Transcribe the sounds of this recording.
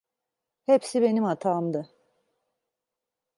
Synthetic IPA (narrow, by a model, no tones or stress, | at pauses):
hepsibe̞nimat̪ʰaːmd̪a